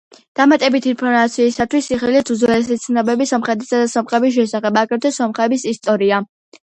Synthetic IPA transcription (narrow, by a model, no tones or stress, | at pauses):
d̪̥amat̪ʼɛbit̪ʰinpʰɔɾmat̪sʰiːsat̪ʰwisiχiliuzwɛlsit̪sʰnɔbɛbisɔmχɛd̪ɛsad̪asɔmχʼɛbis̬ʃɛsaχɛbakʼɛɾt̪ʰɔsɔmχɛbisist̪ʼɔɾia